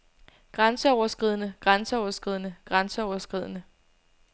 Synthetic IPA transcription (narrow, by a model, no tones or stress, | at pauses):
ɡ̥ʁɑnsəɒʊɐsɡ̥ʁið̞ˠnəɡ̥ʁɑnsəɒʊɐsɡ̥ʁið̞̰ˠənəɡ̥ʁɑnsəɒʊɐsɡ̥ʁið̞̰ˠənə